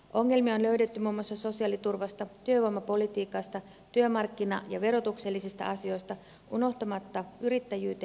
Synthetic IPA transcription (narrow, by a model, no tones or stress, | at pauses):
ʔo̞ŋːe̞lmio̞nlø̞yɥde̞t̪ːymuːmːoɑsːɑso̞siɑlit̪urʋɑst̪ɑt̪yøʋuomɑpo̞lit̪iːkɑst̪ɑ | t̪yømɑrkːinɑ̰jɑʋe̞ɾo̞t̪ukse̞lːisist̪ɑ̰ʔɑsio̞jst̪ɑ | ʔuno̞ht̪ɑmɑt̪ːɑyɾit̪ːæjyːt̪e